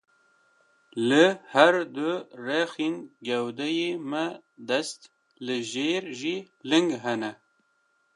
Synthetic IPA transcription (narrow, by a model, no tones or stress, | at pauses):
lɨhæɾd̪uɾɛxinɡɛwd̪ɛjemɛd̪ɛst̪ | lɨʒeːɾʒi | lɨŋɡɦɛnɛ